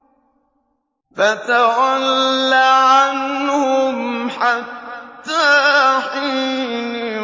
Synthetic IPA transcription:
fat̪awalːaʕanhʊmħat̪ːaːħiːni

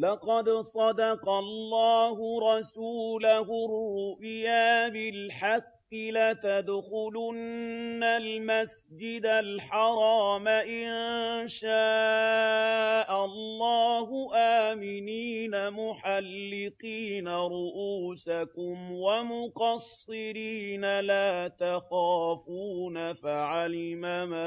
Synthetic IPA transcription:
lɑqɑd̪sˤɑd̪ɑqɑlːɑːhʊɾˤɑsuːlahʊɾːʊʔjaːbɪlħɑqːɪlat̪ad̪xʊlʊnːalmas | d͡ʒɪd̪alħɑɾˤɑːmaʔɪnʃaː | ʔalˤːɑːhʊʔaːmɪniːnamʊħalːɪqiːnaɾʊʔuːsakʊmwamʊqɑsːɪɾiːnalaːt̪axaːfuːnafaʕalɪmama

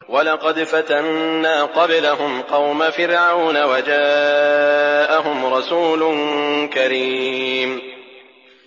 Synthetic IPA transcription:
walɑqɑd̪fat̪anːaːqɑblaɦʊmqɑwmafɪɾʕawnawad͡ʒaː | ʔaɦʊmɾˤɑsuːlʊnkaɾim

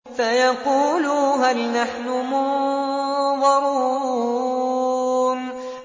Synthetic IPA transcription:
fajɑquːluːɦalnaħnʊmʊ | ðɑɾˤu | n

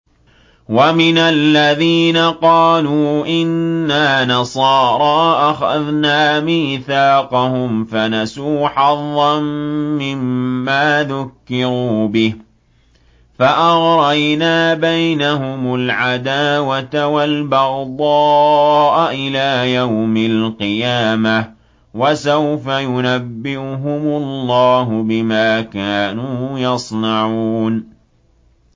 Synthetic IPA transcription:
wamɪnalːaðiːnaqɑːluːʔɪnːaːnɑsˤɑːɾˤɑːʔaxaðnaːmiːθaːqɑhʊmfanasuːħɑðˤːɑnmɪmːaːðʊkːɪɾuːbɪh | faʔɑɣɾˤajnaːbajnaɦʊmʊlʕad̪aːwat̪awalbɑɣd̪ˤɑːʔaʔɪlaːjawmɪlqɨjaːma | wasawfajʊnabːɪʊɦʊmʊlːɑːɦʊbɪmaːkaːnuːjɑsˤnɑʕuːn

